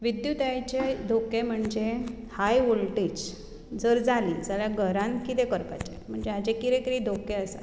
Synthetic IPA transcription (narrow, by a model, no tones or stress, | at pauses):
ʋid̪jut̪jajt͡ɕed̪ʱokem̤əɳd͡ze | hajʋulʈiːt͡s | d͡zəɾd͡zʱalḭːd͡zaljaɡʱəɾãnkit̪ekəɾpa̰t͡ɕḛm̤əɳd͡zead͡ʑekiɾekiɾid̪ʱokeəsa̰